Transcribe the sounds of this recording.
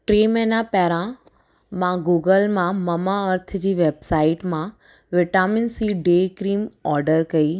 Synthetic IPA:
ʈɾeːmɛːnapɛɦɾã | mãɡuːɡəlmãmɐmaɐɾt̪̆ʰd͡ʑiːʋeːbsaːɪʈmã | ʋɪʈaːmɪnsiːɖekɾiːmɔːɾɖəɾkɐi

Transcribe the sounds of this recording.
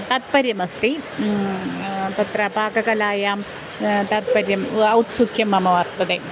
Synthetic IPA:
t̪ɐt̪̚pɐɾjɐmɐst̪i | t̪ɐt̪rɐbʱaːkɐkɐlaːjaːm | t̪ɐt̪̚pɐɾjɐmɐwt̪sukʰjɐmːɐmɐʋɐrt̪ɐd̪e

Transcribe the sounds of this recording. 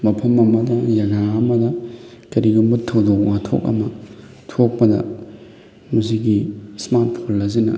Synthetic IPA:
mɐpʰɐmɐmɐdɐjɐɡaɐmɐdɐkɐɾiɡumbutʰːɐwdoknatʰo̰kɐ̰mɐ | tʰok̚pɐdɐ̰ | mɐsiɡismat̚pʰolːɐzinɐ̰

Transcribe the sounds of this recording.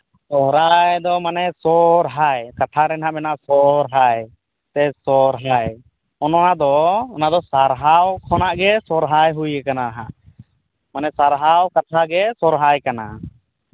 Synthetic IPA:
sɔɾajd̪ɔmanɛsɔɾɦajkat̪ʰaɾɛnɦaʔbɛnaʔsɔɾɦaj | t̪ɛsɔɾɦaj | ɔnɔnad̪ɔɔnad̪ɔsaɾɦawkʰɔnaʔɡɛsɔɾɦajɦujɛkanaɾaɦã̰ʔ | manɛsaɾɦawkat̪ʰaɡɛsɔɾɦajkana

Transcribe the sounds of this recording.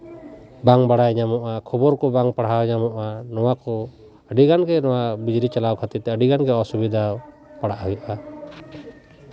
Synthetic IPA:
baŋbaɽajɲamɔʔakʰɔbɔɾkɔbaŋpaɽ̤ɦawɲamɔʔanɔwakɔ | əɖiɡanɡɛnɔwabid͡ʒɾit͡ʃalawkʰat̪it̪ɛəɖiɡanɡɛɔsubid̪ʱaw | paɽaʔɦujuʔa

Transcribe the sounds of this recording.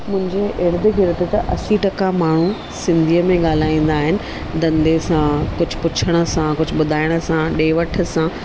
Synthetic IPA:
mʊ̃ɦɪ̃ɲd͡ʑeʔeɾɪd̪ɪ̆ɡʱɪɾɪd̪ɪt̪ɐʔɐsiʈɐkamaːɳ̤u | sɪ̃nd̪ʱijəmẽɠaːl̤aːĩːn̆d̪aːɦɪnɪ̆ | d̪ɐ̃nd̪esãkʊd͡ʑʱʊ̆pʊt͡ɕʰəɽ̃ə̆sãkʊd͡ʑʱʊ̆ɓʊd̪ʱaːɪɽ̃ə̆sãɗeːʋɐʈʰə̆sã

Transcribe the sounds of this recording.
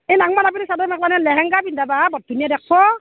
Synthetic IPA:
ejlaŋmanapinɛsadɔmɛk̚lanɛlɛɦɛŋɡabindababɔt̚dʱunijadɛk̚ʰbɔ

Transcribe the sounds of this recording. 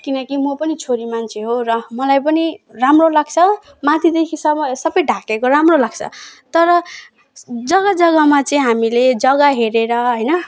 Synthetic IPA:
kinʌkimʌpʌnit͡sʰoɾimant͡sʰeɦorʌmʌlajpʌniramrolaɡt͡sʰʌ | mãt̪ʰid̪ekʰisʌʌsʌbʌjɖʱakekoɾamrolaɡ̥t͡sʰʌ̰t̪ʌɾʌ | d͡zʌɡʌd͡zʌɡamat͡sʌĩɦamiled͡zʌɡaɦeɾeɾʌɦʌjnʌ

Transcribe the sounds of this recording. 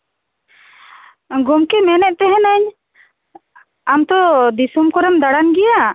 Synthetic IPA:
ɡɔmkɛmɛnɛʔ̚t̪ɛɦɛ̃naɲ | amt̪ɔd̪isumkɔɾɛmd̪aɽanɡɛja

